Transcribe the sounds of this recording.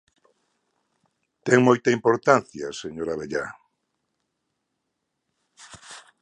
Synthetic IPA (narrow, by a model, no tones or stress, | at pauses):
t̪ɛŋmojt̪aimpoɾt̪anθja̰seɲoɾaβeʎa